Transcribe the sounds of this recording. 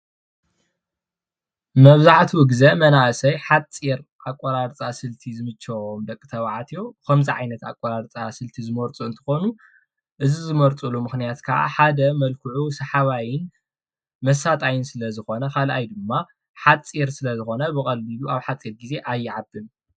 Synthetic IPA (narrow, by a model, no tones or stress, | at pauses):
mɐβzaħt̪ʰɨɡzɐmɐnaʔɨsɐjħat͡sʼːiɾʔakʼːoɾaɾt͡sʼasɨlt̪ʰizɨmɨt͡ʃʰːɐwombɐkʼːi̥t̪ʰɐβʕat̪ʰijokʰɐmziʕajnɐt̪a̰kʼːoɾaɾt͡sʼasɨlt̪ʰizɨmɐɾt͡sʼuɨnt̪ʰɨ̥xo̞nu | ʔɨzizɨmɐɾt͡sʼulumɨxnijat̪kʰaʕa̰ħad̪ɐmɐlkʰuʕusɐħaβajɪn | mɐsat̪ʼajɪnsɨlɐzɨxo̞nɐkʰalʔajd̪ɨmːa | ħat͡sʼiɾsɨlɐzɨxo̞nɐbɨkʼɐlːiluaβħat͡sʼiɾɡize̞ʔajːɪʕabːɨl